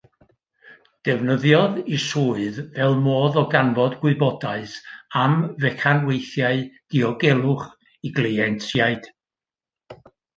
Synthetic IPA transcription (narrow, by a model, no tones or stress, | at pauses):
d̥ɛvnəðjɔðisuːɨðvɛlˠmoːðɔɡanvɔdɡwɪɨbɔdaɨsamvɛkʰanwejθjaɨd̥iɔɡɛlˠʊχ | iɡlˠeɛnsjaɨd̥